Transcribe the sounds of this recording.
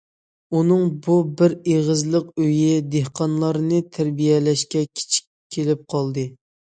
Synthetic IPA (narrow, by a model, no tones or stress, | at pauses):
unɨŋbubɪɾeʁəzlˠəqøjɪd̪ehqʰɑnlˠɑɾnɨt̪ʰæɾbijɛlɛʃkʲɛkʲʰi̥t͡ʃʰi̥kʲʰːelɪp̚qʰɑlˠd̪ɨ